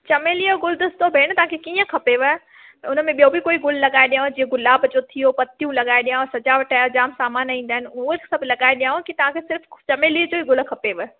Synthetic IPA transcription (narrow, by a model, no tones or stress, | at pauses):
t͡ɕɐmeːlioɡʊld̪əst̪obʱeːɽ̃t̪ɐʋ̤ãːkʰekiːə̃kʰɐpeʋe | ʊnəmẽɓijobʱikoːiɡʊl̤lɐɠaːeɗijaõd͡ʑiːə̃ɡʊlaːbd͡ʑot̪ʰijopɐt̪ijũlɐɠaːeɗijãõsɐd͡ʒaʋəʈaːjad͡ʑaːmsaːmaːnĩːn̆d̪aːɦɪnɪuɦosɐbʱlɐɡaːeɗijãːõkit̪ɐʋ̤ãkʰesɪɾft͡ɕɐmeːliːəd͡ʑoːiɡʊlkʰɐpeʋe